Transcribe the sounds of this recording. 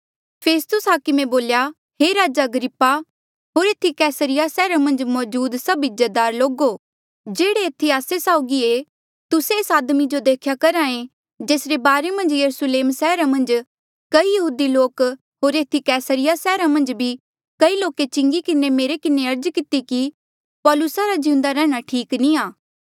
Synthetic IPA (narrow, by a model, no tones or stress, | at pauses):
pʰeːst̪ʊsɦaːkɪmẽboːlja | ɦeɾaːd͡ʒaɐɡɾɪpːa | ɦoːɾeːt̪ʰikɛːsəɾɪjasɛːɾamɐ̃nd͡ʒmɔːd͡ʒuːd̪sɐbɪd͡ʒəd̪aːɾloːɡo | d͡ʒeːɽeeːt̪ʰːiaːsesaːʊɡie | t̪ʊseeːsaːd̪mid͡ʒod̪eːkʰjakɐɾaːẽ | d͡ʒeːsɾebaːɾemɐ̃nd͡ʒjɐɾusleːmsɛːɾamɐ̃nd͡ʒ | kɐijɐɦuːd̪iloːk | ɦoːɾeːt̪ʰikɛːsəɾɪjasɛːɾamɐ̃nd͡ʒbʱi | kɐiloːket͡ʃɪ̃ŋɡikɪnemeːɾekɪneɐɾd͡ʒkɪt̪iki | pɔːlʊsaɾad͡ʒɪ̃ʊ̃nd̪aɾɛːɽ̃aʈʰiːkniaː